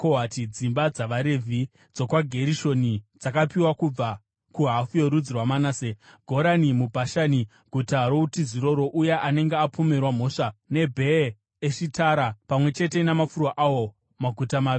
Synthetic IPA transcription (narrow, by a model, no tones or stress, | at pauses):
koɦatid͡zimbad͡zaʋaɾe̞vʱi | d͡zo̞kwaɡʱe̞ɾiʃo̞nid͡zakapiwakub͡va | kuɦafujoɾud͡zirwamanaːseɡʱo̞ɾanimubʱaʃani | ɡʱutaɾo̞utiziɾo̞ɾo̞ʔujeʔane̞ŋɡeapome̞rwam̤o̞ːʂane̞bʱe̞ | eʂitaːɾapamwe̞t͡ʃe̞te̞namafurwaʔawo̞ | maɡʱutamaːi